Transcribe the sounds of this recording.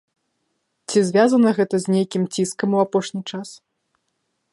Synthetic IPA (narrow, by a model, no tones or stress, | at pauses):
t͡sʲizʲvʲazɐnɐɣɛt̪ɐzʲnʲejkʲimt͡sʲiskɐmuapɔʂnʲit͡ʂas